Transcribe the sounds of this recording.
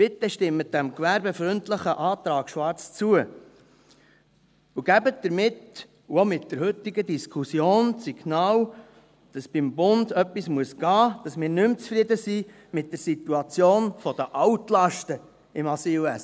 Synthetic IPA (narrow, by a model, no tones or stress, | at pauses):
vɪtːɛʃtɪmːəd̥æmkʋæɾbefɾʏntləχəʔɑːt̪ɾɑːɡ̥ʃʋɑɾt͡st͡suə | uɡ̥æbət̚d̥̪əɾmɪt | uomɪt̚d̥əɾhɵt̪ːɪɡəd̪iskʰusjoːnsiɡ̥nɑːl | d̥ɑsb̥ɪmbʊndœpːismuəsɡ̥ɑːd̥ɑsmɪːɾnʏmt͡sfɾɪd̪əsi | mɪt̚d̥əɾsituɑt͡sjoːnfɔd̥̪əʔɑwtlɑʃtə | ɪmɑsiːlɛs